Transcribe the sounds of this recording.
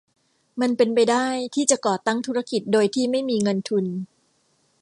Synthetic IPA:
ma˧npe˧npa˧jdaː˥˩jt̪ʰiː˥˩t͡ɕa˨˩kɔː˨˩t̪a˥˩ŋt̪ʰu˦˥ɾa˧ki˨˩t̪̚doː˧jt̪ʰiː˥˩ma˥˩jmiː˧ŋɤ˧nt̪ʰu˧n

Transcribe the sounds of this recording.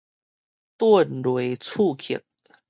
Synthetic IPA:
t̪wə˥˨nɾwe˨˦t͡sʰu˥˧˨kʰi˨˩˦t̚

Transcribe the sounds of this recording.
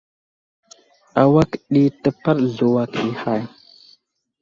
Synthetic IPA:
a˨wa˦kɗi˦tə˦pa˦ɾɮu˨wa˨ki˨ha˦˨j

